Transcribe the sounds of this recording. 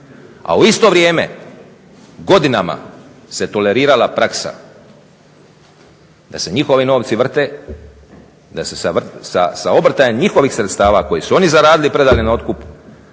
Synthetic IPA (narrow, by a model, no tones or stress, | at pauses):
a̰uist̪o̞ʋɾʲjeːme̞̰ | ɡo̞d̪inama̰ | se̞t̪o̞le̞ɾiːɾalapɾaksa̰ | d̪̥ase̞ɲixo̞ʋino̞ːʋt̪siʋr̩t̪e̞ː | d̪ase̞saʋsa̰sao̞bɾ̩t̪aemɲixo̞ʋiːxsɾe̞t̪st̪aːʋako̞jisuonizaɾaːd̪ilipɾe̞d̪alinao̞t̪kupu̥